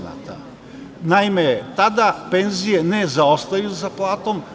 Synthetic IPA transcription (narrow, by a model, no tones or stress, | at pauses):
na̰t̪a̰ | naimet̪ad̪ape̞nzije̞nezao̞st̪ajuzaplˠaːt̪o̞m